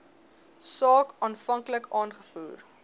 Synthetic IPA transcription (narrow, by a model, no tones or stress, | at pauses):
sɑːkɑːnfɐŋkləkɑːnχə̥fuːr